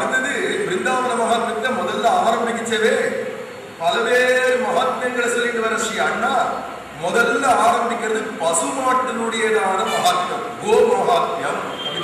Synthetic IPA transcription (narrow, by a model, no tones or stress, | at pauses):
ɐɯt̪ːɐðɯʋɾɪnd̪aːmɐnɐmɐɣaːt̪bɐt̪ːɐmɔðɐlːɐaːɾɐmbɪk̬ːɪt͡ʃːɐʋeː | pɐlɐʋeːɾɯmɐɣaːt̪ːjɐŋɡɐɭɐsɛlːɪnɖɐʋɐɾɐʂɪjaːnːaː | mɔðɐlːɐaːɾɐmbɪkʲːɪɾɐðɯpɐsɯmaːʈːɯnɯɽɐjɐðaːɽɐmɐɦaːt̪jɐmɡoːbɐmɐɦaːt̪ːjɐm | ɐ